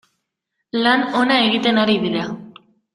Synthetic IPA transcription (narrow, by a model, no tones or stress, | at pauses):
lano̞nae̞ɣit̪e̞naɾiðiɾa